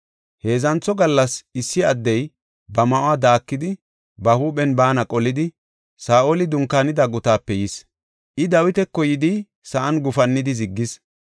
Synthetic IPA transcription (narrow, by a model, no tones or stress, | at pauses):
he̞ːzɐnt͡sːɔɡɐlːɐsɪsːɪɐd̪ːɛj | bɐmɐʔʊad̪aːkːɪd̪ɪ | bɐhuːɓɛnbaːnɐkʼɔlɪd̪ɪ | saːʔolɪd̪ʊŋkːaːnɪd̪ɐɡʊt̪aːpːɛjɪs | ʔɪd̪ɐwɪt̪ɛkːɔjɪd̪i | sɐʔɐnɡʊfɐnːɪd̪ɪzɪɡːɪs